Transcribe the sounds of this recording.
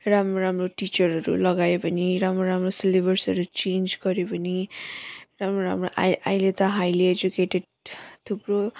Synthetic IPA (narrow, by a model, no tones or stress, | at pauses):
ramɾoɾamroʈit͡ʃʌɾɦʌɾṵlʌɡaepʌniɾamɾoɾamrosilebʌrsʌɾut͡ʃend͡ʒɡʌɾepʌni | ɾamɾoɾa̰mɾoʔa̰ʔajlet̪ʌɦajlied͡ʒukeʈeɖ | t̪ʰupɾo